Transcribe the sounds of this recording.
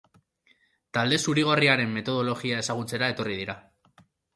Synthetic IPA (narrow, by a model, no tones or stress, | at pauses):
t̪ald̪e̞suɾiɣ̞o̞riaɾe̞mːe̞t̪o̞ð̞o̞lo̞ɣiae̞saɣ̞ut͡se̞ɾae̞t̪o̞rið̞iɾa